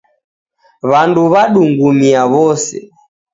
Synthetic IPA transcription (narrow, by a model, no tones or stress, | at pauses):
βanduβaɗuŋɡumiaβɔsɛ̰